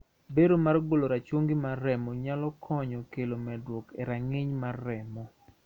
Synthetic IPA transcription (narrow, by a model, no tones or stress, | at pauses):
beɾomarɡoloɾat͡ʃwoŋɡimarːɛmɔɲalɔkʰɔɲɔkelomɛdwɔkeɾaŋɪɲmarːɛmɔ